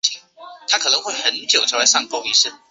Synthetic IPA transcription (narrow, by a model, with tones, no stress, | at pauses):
t͡ɕi˧˥ŋt̪ʰa˥kʰɤ˨˩nɤ˧˥ŋxwe˥˩ɪxə˧˥nt͡ɕjo˨˩ʊʈ͡ʂʰla˧˥ɪʂɑ˥˧ŋpo˥˧ʊi˥˧ʂɻ̩˥˩